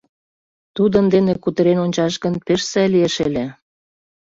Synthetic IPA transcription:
t̪ud̪ənd̪enekut̪ə̆ɾenonʲt͡ɕɑʃɡə̆npeʃsælieʃele

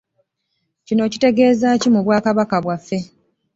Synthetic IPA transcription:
cino̞ːcite̞ɡe̞ːzacimuβwaːkaβakaβwafːe̞

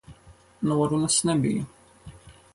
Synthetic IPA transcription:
nʁɾunæsnæbḭ

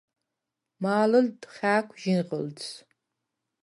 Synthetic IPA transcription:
maːlɨldχʲaːkʷʰʼʒɪnʁəlt͡s

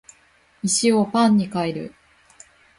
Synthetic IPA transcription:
miɕio̞pãɲ̟ːikaeɾɯ̟̰

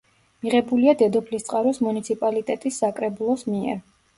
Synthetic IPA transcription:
miʁɛbuliad̪ɛd̪ɔpʰlist̪sʼqʼaɾɔsmunit̪sʰipʼalit̪ʼɛt̪ʼisːakʼɾɛbulˠɔsmiɛ̰ɾ

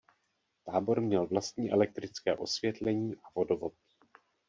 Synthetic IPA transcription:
t̪aːbo̞ɾmɲɛlvlast̪̚ɲiːʔɛlɛk̚t̪ɾɪt͡skɛ̰ːʔo̞svjɛt̪lɛɲiːʔavo̞dovot̪̚

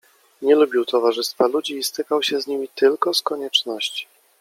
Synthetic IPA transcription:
ɲɛlubʲiwt̪ɔvaʐɘst̪falud͡ʑiːst̪ɘkawɕɛzɲimʲit̪ɘlkɔskɔɲɛt͡ʂnɔɕt͡ɕi̥

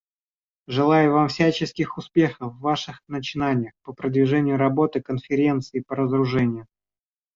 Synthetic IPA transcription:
ʐɨlˠajʊvamfsʲæt͡ɕɪskʲɪxʊspʲe̞xəvːaʂɨxnət͡ɕɪnanʲɪjəxpəpɾəd̪vʲɪʐɛnʲɪjʊɾɐbo̞t̪ɨkənfʲɪɾʲent̪sɨɪpəɾəzəɾʊʐɛnʲɪjʊ

